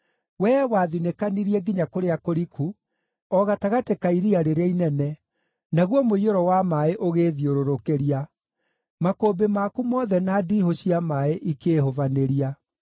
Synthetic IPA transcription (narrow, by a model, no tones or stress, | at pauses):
wɛwaːðinekaniɾiɛɡiɲakoɾeakoɾikʰu | ɔɣataɣatekaiɾiaɾeɾainɛnɛ | naɣwɔmoioɾɔwamaeʔoɣeːðioɾoɾokeɾia | makoːbemakumɔːðɛnadihoɕiamaeʔikehovaneɾia